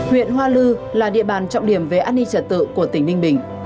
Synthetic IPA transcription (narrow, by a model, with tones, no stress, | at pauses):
hwḭ˧˨ənɦwaː˧lɨ˧laː˨˩ɗḭ˧˨əɓaː˨˩nt͡ɕɔ̰˧˨wŋ͡mɗi˧˩əmve˨˩ʔaː˧˥ni˧t͡ɕə˧˩t̚t̪ɨ̰˧˨ku˧˩ət̪ï˧˩ŋ̟nï˧ŋ̟ɓï˧˩ŋ̟